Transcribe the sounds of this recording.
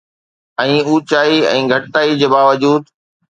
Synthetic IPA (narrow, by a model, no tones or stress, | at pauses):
ɛ̃ːuːt͡ɕaːiɛ̰̃ːɡʱɐʈt̪aːid͡ʑeːbaːʋəd͡ʑuːd̪